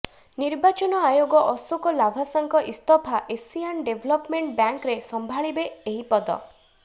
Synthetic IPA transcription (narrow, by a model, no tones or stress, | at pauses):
niɾbat͡ʃɔnɔajoɡɔʔɔsɔkɔlabʱasaŋkɔʔist̪ɔpʰaʔesianɖebʱlɔpmeɳʈbjaŋkɾesɔmbʱaɭibeːɦipɔd̪ɔ̰